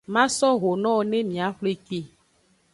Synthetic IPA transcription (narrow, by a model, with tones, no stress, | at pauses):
mã˦sɔ˦ɣo˨nɔ̃˦wo˨nẽ˦mĩ˨a˨ɸle˨k͡pe˦˨